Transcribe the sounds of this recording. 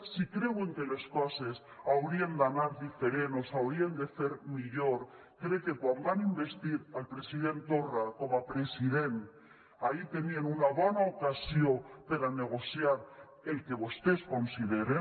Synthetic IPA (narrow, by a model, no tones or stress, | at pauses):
sikɾe̞weŋkeleskases | awɾiend̪anaɾðife̞ɾeno̞sawɾiend̪e̞θe̞ɾmiʎoɾ | kɾeke̞kwambanimbe̞st̪iɾalpɾe̞siðe̞nt̪orakomapɾe̞siðe̞n | ait̪e̞nienunaβanaokasjopeɾane̞ɣ̞o̞sjaɾ | elke̞βost̪esko̞nsiðeɾe